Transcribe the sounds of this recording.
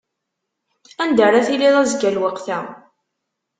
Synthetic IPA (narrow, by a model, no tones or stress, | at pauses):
ænd̪ərˤaθiliðˤæzɡælwəqθæ